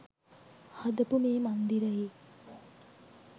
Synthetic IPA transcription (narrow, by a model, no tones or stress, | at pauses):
had̪əpumeːmand̪iɾəjeː